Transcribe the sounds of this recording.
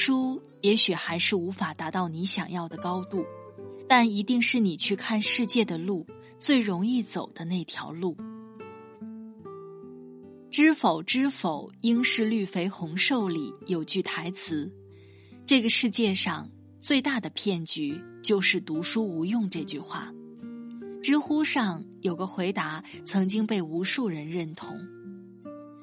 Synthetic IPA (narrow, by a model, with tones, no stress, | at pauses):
u˥ | jɛ˧˥ɕy˨˩xa˧˥ɪʂɻ̩˥˩u˧˥fa˨˩t̪a˧˥t̪ɑ˥˩ʊni˧˥ɕjɑ˨˩ŋjɑ˥˩ʊd̪ə˩kɑ˥ʊt̪u˥˩t̪a˥˩ni˧˥t̪i˥˧ŋʂɻ̩˥˩ni˨˩t͡ɕʰy˥˧kʰa˥˧nʂɻ̩˥˧t͡ɕjɛ˥˩d̪ə˩lu˥˩ | t͡swe˥˩ɪɻʊ˧˥ŋi˥˩t͡so˨˩ʊd̪̥ə˦ne˥˩ɪt̪ʰjɑ̰˧˥ʊlu˥˩ | ʈ͡ʂɻ̩˥fo˨˩ʊʈ͡ʂɻ̩˥fo˨˩˦ʊi˥ŋʂɻ̩˥˧ly˥˩fe˥ɪxʊ˧˥ŋʂo˥˩ʊlḭ˨˩jo˨˩ʊt͡ɕy˥˩t̪ʰa˧˥ɪt͡sʰɹ̩˧˥ | ʈ͡ʂɤ˥˩ɡə˩ʂɻ̩˥˧t͡ɕjɛ˥˧ʂɑ˥˧ŋ | t͡swe˥˧ɪt̪a˥˩d̪ə˩pʰjɛ˥˩nt͡ɕy˧˥t͡ɕjo˥˧ʊʂɻ̩˥˩t̪u˧˥ʂu˥u˧˥jʊ˥˧ŋʈ͡ʂɤ˥˧t͡ɕy˥˧xwa̰˥˩ | ʈ͡ʂɻ̩˥xu˥ʂɑ˥˩ŋjo˨˩ʊɡə˦xwe˧˥ɪt̪a˧˥t͡sʰɤ˧˥ŋt͡ɕi˥ŋpe˥˩ɪu˧˥ʂu˥˩ɻə˧˥nɻə˥˩nt̪ʰʊ̰˧˥ŋ